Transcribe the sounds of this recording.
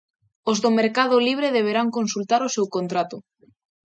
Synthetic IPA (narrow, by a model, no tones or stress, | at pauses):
ozðomeɾkað̞ʊliβ̞ɾeðeβ̞eɾaŋkonsult̪aɾosewkont̪ɾat̪o